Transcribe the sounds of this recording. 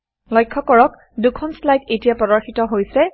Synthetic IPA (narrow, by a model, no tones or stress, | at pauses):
lɔjkʰːɔkɔɹɔk | dukʰɔnslajdetijapɔdɔɹxitɔɦojsɛ